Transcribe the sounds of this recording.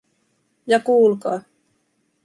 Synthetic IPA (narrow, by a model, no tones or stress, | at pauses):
jɑkuːlkɑː